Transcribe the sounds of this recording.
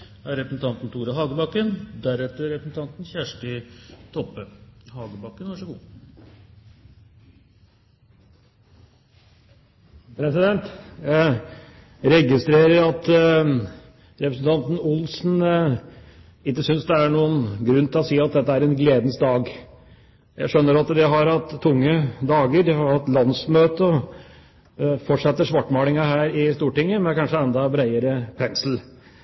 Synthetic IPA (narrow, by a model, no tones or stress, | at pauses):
æɾɛpɾəsn̩t̪ʰɑnt̪n̩t̪ʰuːɾɑɦɑːɡəbɑkːənd̪æɾɛt̪ːəɾɛpɾəsn̩t̪ɑnt̪n̩çæʂʈɪt̪ʰɔpːəhɑːɡəbɑkːənʋɑʂəɡuː | pʰɾɛsɪd̪ɛnt̪ | ɾɛɡɪst̪ɾeːɾəɾɑt̪ | ɾɛpɾəsn̩t̪ʰɑnt̪n̩ʊlsn̩ | ɪkːəsʏnsd̪ɛæɳuːənɡɾʉnːt̪ʰɪlɔsiːɑt̪̚d̪ɛt̪ːəæɾɛnɡleːd̪nsd̪ɑːɡ | jæ̰ɪʂœnːəɾɑt̪d̪ɪɦɑɾhɑt̪ʰːʊŋːəd̪ɑːɡəɾd̪ɪhɑɾhɑt̪ːlɑnsmøːt̪əɔ | fɔʈʂɛt̪ːəʂʋɑʈːmɑːlɪŋɑɦæːɾɪst̪uːʈɪŋːəmɛnkʰɑnʂəɛnd̪ɑbɾæɪəɾəpʰɛnsl̩